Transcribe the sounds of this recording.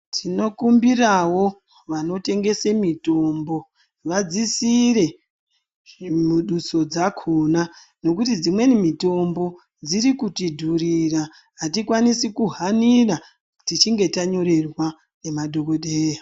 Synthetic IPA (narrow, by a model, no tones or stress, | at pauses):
tʰino̞kumbirawo̞ | ʋano̞te̞ŋɡe̞semito̞mbo̞ | ʋad͡zisiɾe̞ | muɗuso̞d͡zakʰuna | no̞kutid͡zimwe̞nimito̞mbo̞ | d͡ziɾikutidʱurira | ɦatikwanisikuɦanira | tit͡ʃiŋɡe̞taɲo̞ɾe̞rwa | ne̞madʱo̞koɗeːja